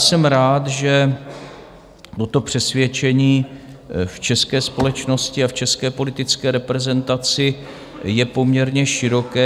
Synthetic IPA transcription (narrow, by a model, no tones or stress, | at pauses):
sɛmɾaːt̪ʒɛ | t̪o̞t̪o̞pr̥ɛsvjɛt͡ʃɛɲiː | ft͡ʃɛskɛːspo̞lɛt͡ʃno̞scɪaft͡ʃɛskɛːpo̞lɪt̪ɪt͡skɛːɾɛpɾɛzɛnt̪at͡sɪ | jɛpo̞mɲɛɾɲɛʃɪɾo̞kɛː